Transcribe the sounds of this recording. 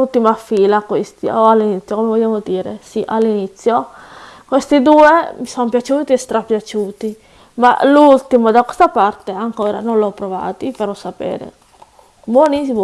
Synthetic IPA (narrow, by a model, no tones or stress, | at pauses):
ult̪imafiːlakwest̪ioalːinit̪sːjokomevoʎːaːmod̪iːɾḛsiʔalːinit̪sːjo | kwest̪id̪uːemisompjat͡ʃuːt̪iɛst̪ɾapːjat͡ʃuːt̪i | ma̰lult̪imod̪akwest̪apart̪eaŋkoːɾa̰nõnlɔpːɾova̰ːt̪ipaɾɔsapɛ̰ːɾḛ | bwonisim